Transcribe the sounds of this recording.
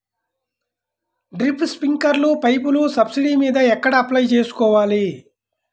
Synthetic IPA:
ɖɾipʰspiŋkɐɾlupɐjpulusɐbsiɽiːmiːd̪ɐɛkːɐɽɐːplɐjt͡ʃe̞ːsu̥kɔːʋaːli

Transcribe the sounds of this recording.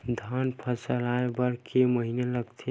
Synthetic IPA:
d̪ʱanpʰəsəlaebəɽkeməɦineləɡt̪ʰe

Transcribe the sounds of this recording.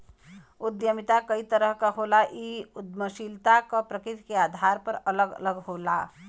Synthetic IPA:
ʊd̪jəmɪt̪akəit̪əɾəɦkaɦoːlaʔiʊd̪məʃilt̪akapɾəkɾɪt̪keaːd̪ʱaːɾpəɾələɡə̰ləɡɦoːlaː

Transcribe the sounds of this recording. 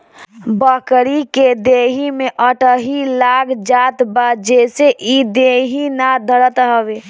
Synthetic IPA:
bəkɾiked̪eɦimeʔəʈəɦilaɡd͡ʒat̪bad͡ʒeseʔid̪eɦinad̪ʱəɾət̪ɦəbe

